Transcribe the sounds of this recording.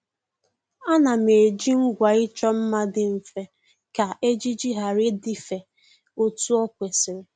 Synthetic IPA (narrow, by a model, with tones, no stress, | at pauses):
a˦na˨me˨d͡ʒi˦ŋ̩˦ɡʷa˨ɪ˦t͡ʃɔ˦m̩˦ma˦dɪ˨m̩˨fe˦ | ka˨ʔe˦d͡ʒi˦d͡ʒi˦ɦa˨ɾɪ˦di˦fe˨ | o˦tu˦ɔ˦kʷe˨sɪ˨ɾɪ˨